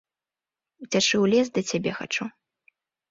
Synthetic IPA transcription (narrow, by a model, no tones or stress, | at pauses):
ut͡sʲaʂɨwlʲɛzd̪ɐt͡sʲabʲɛxa̰t͡ʂu